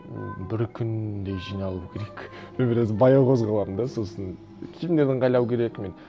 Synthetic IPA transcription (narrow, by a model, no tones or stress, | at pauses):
b̪ɪɾkʲʰʏnd̪e̞jʒijnɑlˠukʲʰe̞ɾekbebeɾezɪbɑjɑwqʰo̞zʁɑlˠɑmnd̪ɑso̞lˠsən | kʲʰebɪmnd̪e̞ɾd̪ɪɴqʰɑjlˠɑwkʲʰe̞ɾekmen